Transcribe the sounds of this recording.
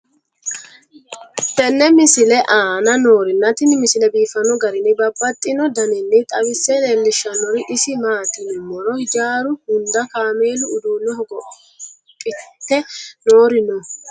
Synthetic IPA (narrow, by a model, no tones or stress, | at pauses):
t̪ɛnːɛmɪsɪlɛʔaːnɐnoːɾɪnːɐt̪ɪnɪmɪsɪlɛbiːfɐnɔɡɐɾɪnɪbɐbːɐt̪ʼːɪnɔd̪ɐnɛnːɪt̪ʼɐwɪsːɛleːlːɪʃːɐnɔɾɪʔɪsɪmaːt̪ɪnɛmɔɾɔhɪd͡ʒaːɾʊhʊnd̪ɐkaːmeːlʊːd̪uːnːɔhɔɡɔ | pʼɪt̪ːɛno̞ːɾɪnɔ